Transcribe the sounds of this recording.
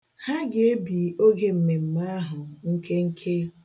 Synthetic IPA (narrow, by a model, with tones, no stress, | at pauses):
ha˦ɡɪ˨e˦bi˨o˦ɡe˨m̩˨me˨m̩˨ma˦ɦʊ˨ŋ̩˦kʰe˦ŋ̩˦kʰe˦